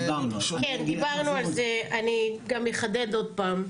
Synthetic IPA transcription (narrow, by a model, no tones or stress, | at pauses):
kend̪ibaʁnualzeaniɡamjeχad̪ed̪o̞d̪̚paːm